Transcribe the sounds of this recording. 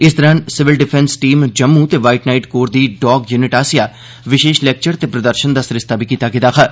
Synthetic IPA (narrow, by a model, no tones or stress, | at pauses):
ɪsd̪əɾənsɪʋɪlɖɪpʰɛnsʈiːmd͡ʒəmːuːt̪eːʋaːɪʈnaːiʈkoːɾd̪iːɖɔːɡjuːnɪʈaːsɪjaː | ʋɪʃeːʃlɛːk̚t͡ʃəɾt̪eːpɾəd̪əɾʃənd̪aːsɾɪst̪aːbʱiːkiːt̪aːkɪːt̪aːkʰaː